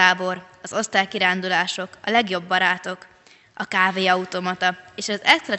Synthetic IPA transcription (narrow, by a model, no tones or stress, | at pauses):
aːbo̞ɾ | ɒzo̞st̪aːjkiɾaːnd̪ulaːʃo̞kɒ̰lɛɡjo̞bːɒɾaːt̪o̞k | ɒkaːveːɒut̪o̞mɒt̪ɒeːʃɒzɛsrɛ